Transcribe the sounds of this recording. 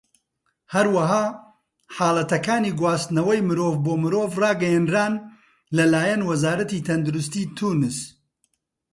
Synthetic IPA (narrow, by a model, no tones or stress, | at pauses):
hɐɾwɐɦaː | ħaːlˠɐt̪ɐkaːniɡwaːst̪nɐwɐjmɨɾoːvboːmɨɾoːvrɑːɡɐjɛnɾaːn | lɐlaːjɐnwɐzaːɾɐt̪iːt̪ʰɐnd̪uɾʊst̪iːt̪ʰuːnɨs